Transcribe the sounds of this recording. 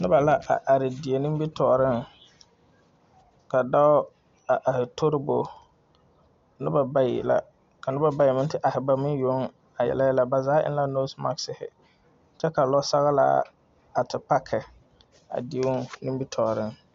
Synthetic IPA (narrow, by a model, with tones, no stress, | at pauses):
nɪ˦ba˨la˦ʔa̰˨ʔa˨ɾɪ˨dɪ˨e˨nĩ˦mbi˦tɔː˨ɾɪ˦ŋ | ka˨da˦ʊ˦ | a˨ʔa˨hɪ˨tʰo˦ɾɪ˦bo˨ | nɪ˦ba˨ba˦jḭ˨la̰˨ | ka˨nɪ˦ba˨ba˦jɪ˨mɪ̃˦ntɪ˦ʔa˨hɪ˨ba˨mɪ˦n˦jo˦ŋ | a˨jɛ̰˨la˦la˨ba˨zaː˦ʔɪ̰˦n˦la˦no˦sma˦ksɪ˨hɪ̰˨ | t͡ʃɛ˦ka˨lɔ˦sa˦ɣa˦la̰ː˦ | a˨tɪ˨pa˦kʰɛ˨ | a̰˨dɪ˨˦ʊ˦nɪ˦bi˦tʰɔː˨ɾɪ˦ŋ